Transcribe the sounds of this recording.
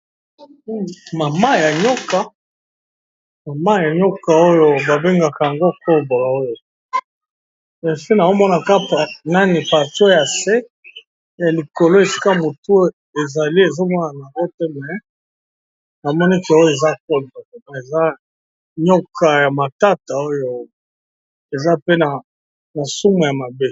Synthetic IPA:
ma˨ma˦ja˨ɲɔ˦ka˨ | ma˨ma˦ja˨ɲɔ˦ka˨o˦jo˦ba˨be˦ŋɡa˨ka˨ja˨ŋɡo˦kɔ˦lbo˨la˨o˦jo˨ | ɛ˨si˦na˨o˦mɔ˦na˨ka˦pa˨na˦ni˨pa˨tja˨se˦ | ja˨li˨ko˨lo˦e˨si̥˦ka˦mo˨tu˦ | e˨za˨li˦e˨zo˦mɔ˦na˨na˨ŋɡo˦te˦mɛ˨ | na˨mɔ˦ni˦kɛ˨o˦jo˦e˨za˦k̚o˦ldo˨e˨ma˨e˨za˦ | ɲɔ˦kʰa˨ja˨ma˨ta˦ta˨o˦jo˦ | e˨za˦pe˦na˨ | na˨su˦mu˨ja˨ma˨be˦

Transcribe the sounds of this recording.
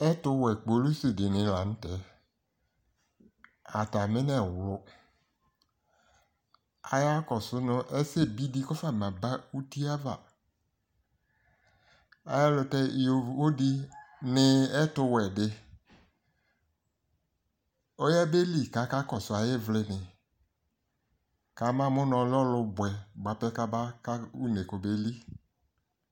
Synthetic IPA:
ɛ˦tʊ˧wɛ˨k͡po˨˦lu˦si˨dɪ˨nɪ̃˨la˨n̩˦tɛ˨˦ | a˨ta˨mɪ̃˦nɛ˨wlʊ˦ | a̰˨ja˦kɔ˨sʊ˦nʊ̃˦ʔɛ˦se˦˨bi˦di˦kɔ˦fa˦˨mã˨ba˦u˦ti˦a˦va̰˦˨ | a̰˨je˦lʊ˨tɛ˦˨o˦di˦nɪ˦ɛ˦tʊ˧wɛ˨dɪ˦ | o˦jɛ˦be˦li˦˨ka˨˦ka˦kɔ˨sʊ˨a˨jɪ˦vlɪ˦nɪ˨ | ka˨˦mã˦˨mʊ˦nɔ˨˦lɔ˦lʊ˧bwɛ˨ba˨˦pɛ˦ka˦ba˦ka˦u˦ne˨ko˨be˦li˦

